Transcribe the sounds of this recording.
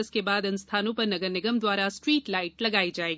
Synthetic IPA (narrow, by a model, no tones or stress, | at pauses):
əskebaːd̪ɐ̃nst̪ʰaːnõpɐɾnɐɡəɾnɪɡəmd̪waːɾasʈɾiːʈlaːɪʈlɐɡaːid͡ʒaːeːɡii